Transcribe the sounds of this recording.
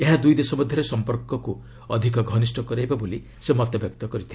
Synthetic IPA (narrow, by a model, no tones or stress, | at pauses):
eɦad̪ujd̪esɔbɔd̪ʱjɔɾesɔmpɔɾkɔku | ɔd̪ʱikɔɡʱɔnisʈɔkɔɾajbaboli | semɔt̪ebjɔkt̪ɔkɔɾit̪ʰil